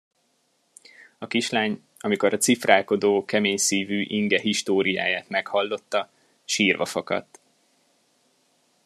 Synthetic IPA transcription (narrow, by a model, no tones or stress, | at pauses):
ɒkiʃlaːɲ | ɒmiko̞ɾɒt̪sifraːlko̞d̪oːkɛmeːɲsiːvyːʔiŋɡɛɦiʃt̪oːɾija̰ːjaːt̪mɛkhɒlːo̞t̪ːɒ | ʃiːrvɒ̰fɒkɒ̰t̪ː